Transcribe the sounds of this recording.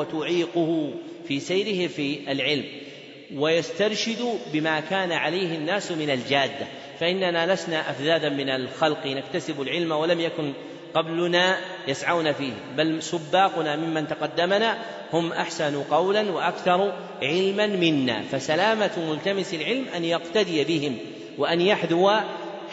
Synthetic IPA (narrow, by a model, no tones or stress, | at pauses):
at̪ʊʕiːqʊhʊfiːsajɾɪhɪfiːʔalʕɪlm | wajast̪ɑɾˤʃɪd̪ʊbɪmaːkaːnaʕalajhɪnːaːsmɪnald͡ʒaːd̪ːa | faʔɪnːanaːlasnaʔafðaːd̪amɪnalxɑlqinakt̪asɪbʊlʕɪlmawalamjakʊn | qɑblʊnaː | jasʕawnafiːhɪmbalsʊbːɑːqʊnaːmɪmːant̪aqɑd̪ːamanaː | hʊmʔaħsanqɑwlanwaʔakθɑɾˤ | ʕɪlmanmɪnːa̰ːfasalaːmamʊlt̪amɪsɪlʕɪlmʔanjaqt̪ad̪ɪjbɪhɪm | waʔanjaħðʊwa